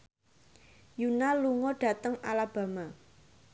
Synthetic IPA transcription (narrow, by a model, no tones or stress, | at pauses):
junaluŋɔɖ̥a̤t̪əŋalab̥ä̤ma